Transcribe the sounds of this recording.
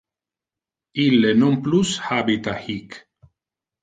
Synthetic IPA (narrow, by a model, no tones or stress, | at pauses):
ilːenomplushabit̪ahik